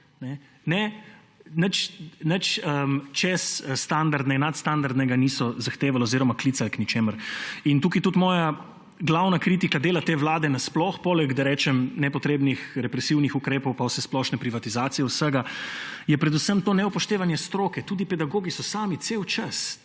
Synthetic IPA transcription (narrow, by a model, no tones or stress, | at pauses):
nɛ | nɛ | nət͡ʃnət͡ʃəmt͡ʃɛsst̪and̪aɾd̪nɛnat̪st̪and̪aɾd̪nɛɡanisɔzaxt̪eːʋalaoziɾɔmaklit̪salknit͡ʃeːməɾint̪uːkit̪ut̪mɔːja | ɡlawnakɾit̪ikad̪eːlat̪eːʋlaːd̪ɛnasplɔxpoːlɛɡd̪aɾɛːt͡ʃɛmnɛpɔt̪ɾeːbnixɾɛpɾɛsiwnixukɾeːpɔwpawsɛsplɔʃnɛpɾiʋat̪izaːt̪sijɛwsəɡajɛpɾɛd̪usəmt̪oːnɛupɔʃt̪eːʋanjɛst̪ɾoːkɛt̪uːd̪ipɛd̪aɡoːɡisɔsaːmit̪sewt͡ʃəs